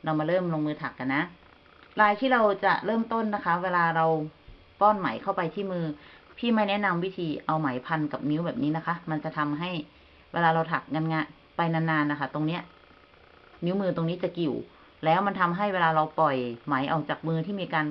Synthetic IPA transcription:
ɾa˧wmaː˧ɾɤː˥˩mlo˧ŋmɯː˧t̪ʰa˨˩kːa˧nːa˦˥ʔ | ɾaː˧jt̪ʰiː˥˩ɾa˧wt͡ɕa˨˩ɾɤː˥˩mt̪o˥˩nːa˦˥kʰa˦˥weː˧laː˧ɾa˧w | pɔː˥˩nma̰ː˩˦jkʰa˥˩wpa˧jt̪ʰiː˥˩mɯː˧ | pʰiː˥˩ma˥˩jnɛ˦˥ʔna˧mwi˦˥t̪ʰiː˧ʔa˧wma˩˦jpʰa˧nka˨˩p̚ni˦˥wbɛː˨˩p̚niː˦˥na˦˥kʰa˦˥ma˧nt͡ɕa˨˩t̪ʰa˧mɦa˥˩j | weː˧laː˧ɾa˧wt̪ʰa˨˩k̚ŋa˧nŋaː˧ | pa˧jna˧nːaː˧nːa˦˥kʰa˦˥˩t̪o˧ŋni˦˥ɐ | ni˦˥wmɯː˧t̪o˧ŋni˦˥t͡ɕa˨˩ki˨˩w | lɛː˦˥wma˧nt̪ʰa˧mɦa˥˩jweː˧laː˧ɾa˧wpɔ˨˩jmaː˩˦jʔɔː˨˩k̚t͡ɕaː˨˩k̚mɯː˧t̪ʰiː˥˩miː˧kaː˧n

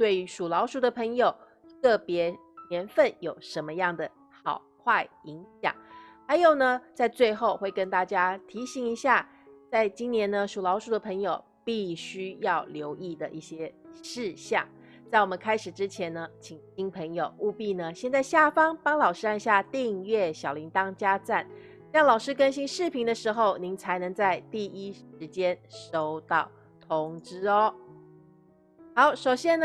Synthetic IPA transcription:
t̪we˥˩ɪy˧˥ʂu˨˩lɑ˧˥ʊʂu˧˥d̪ə˨pʰə˧˥ŋjo˨˩ʊ | kɤ˥˩pjɛ˧˥ | njɛ˧˥nfə˥˩njo˨˩ʊʂə˧˦nmə˧jɑ˥˩ŋd̪ə˩ | xɑ̰˨˩ʊkʰwa˥˩ɪi˧˥ŋɕjɑ̰˨˩˦ŋxa˧˥ɪjo˨˩ʊnə˦t͡sa˥˧ɪt͡swe˥˧ɪxo˥˧ʊxwe˥˩ɪkə˥nt̪a˥˩t͡ɕja˥t̪ʰi˧˥ɕi˧˥ŋi˧˥ɕja˥˩ | t͡sa˥˩ɪt͡ɕi˥njɛ˧˥nnə˧ʂu˨˩lɑ˧˥ʊʂu˧˥d̪ə˧pʰɤ˧˥ŋjo˨˩ʊ | pi˥˩ɕy˥jɑ˥˩ʊljo˧˥ʊʔi˥˩d̪ə˩ʔi˥˩ɕjɛ˥ʂɻ̩˥˧ɕjɑ̰˥˩ŋ | t͡sa˥˩ɪwɔ˨˩mə˦nkʰa˥ɪʂɻ̩˨˩ʈ͡ʂɻ̩˥t͡ɕʰjɛ˧˥nnə˧t͡ɕʰi˨˩ŋɕi˥npʰə˧˥ŋjo˨˩ʊu˥˧pi˥˩nə˩ɕjɛ˥˧nt͡sa˥˧ɪɕja˥˩fɑ˥ŋpɑ˥ŋlɑ˨˩ʊʂɻ̩˥a˥˧nɕja˥˧t̪i˥˧ŋɥɛ˥˩ɕjɑ˨˩ʊli˧˦˥ŋt̪ɑ˥ŋt͡ɕja˥t͡sa˥˩n | ɕɑ˥˩ŋlɑ˨˩ʊʂɻ̩˥kə˥nɕi˥ŋʂɻ̩˥˩pʰi˧˥ŋd̪ə˧ʂɻ̩˧˥xo˥˩ʊni˧˥˦ŋt͡sʰa˧˥ɪnɤ˧˥ŋt͡sa˥˧ɪt̪i˥˩i˥ʂɻ̩˧˥t͡ɕjɛ˥nʂo˥ʊt̪ɑ˥˩ʊ | t̪ʰo˧˥ŋʈ͡ʂɻ̩˥ɔ˧˩ | xɑ˨˧˥ʊʂo˨˩ʊɕjɛ˥n

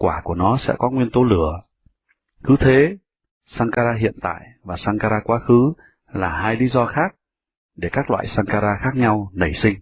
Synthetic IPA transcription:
kwaː˧˩ku˧˩ənɔ˨˦sɛ̰˧˥kɔ˨˦ŋwi˧ənt̪o˨˦lɨ˧˩ə | xɨ˨˦t̪ʰe˨˦ | saː˧ŋkaː˧zaː˧ɦḭ˧˨ənt̪a̰ː˧˨jvaː˨˩saː˧ŋkaː˧ɾaː˧kwaː˨˦xɨ˨˦ | laː˨˩ɦaː˧jli˨˦zɔ˧xaː˦˥k̚ | ɗe˧˩kaː˦˥k̚lwa̰ː˧˨jsaː˧ŋkaː˧ɾaː˧xaː˦˥k̚ɲa˧wnə˧˩jsï˧ŋ̟

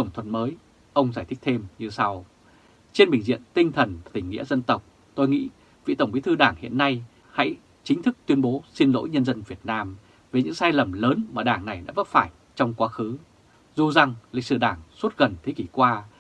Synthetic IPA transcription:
t̪ə˧˩wŋ͡mt̪ʰwə˨nməː˨˦j | ʔə˧wŋ͡mzaː˧˩jt̪ʰï˦˥k̚t̪ʰe˧mɲɨ˧sa˧w | t͡ɕe˧nɓï˨˩ŋ̟zḭ˧˨ənt̪ï˧ŋ̟t̪ʰə˨˩nː˨˩t̪ï˧˩ŋ̟ŋḭ˧˥əzə˧nt̪ə˨˩wk͡p̚ | t̪o˧jŋḭ˧˥ | vḭ˧˨t̪ə˧˩wŋ͡mɓi˨˦t̪ʰɨ˧ɗaː˧˩ŋhḭ˧˨ənːa˧j | ha̰˧˥j | t͡ɕï˨˦ŋ̟t̪ʰɨ˦˥k̚t̪wi˧ənɓo˨˦si˧nlo̰˧˥jɲə˧nzə˧nvi˨˩ət̚naː˧m | ve˨˩ɲɨ̰˧˥ŋsaː˧jlə˨˩mləː˨˦nmaː˨˩ɗaː˧˩ŋna˨˩jna̰ː˧˥və˦˥t̚faː˧˩j | t͡ɕɔ˧wŋ͡mkwaː˨˦xɨ˨˦ | zu˨˩za˨˩ŋlḭ˧˨k̟̚sɨ˧˩ɗaː˧˩ŋsu˦˥t̚ɣə˨˩nt̪ʰe˨˦ki˧˩kwaː˧

